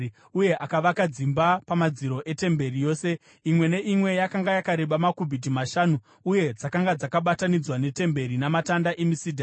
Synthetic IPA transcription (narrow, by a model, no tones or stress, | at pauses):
uje̞ʔakaʋakad͡zimbapamad͡ziɾo̞ʔe̞te̞mbe̞rijo̞ːse̞ | imwe̞ne̞ʔimwe̞jakaŋɡajakaɾe̞ɓamakubʱidʱimaʃaːnu | uje̞d͡zakaŋɡad͡zakaɓatanid͡zwane̞te̞mbe̞ɾinamatandaʔemisidʱa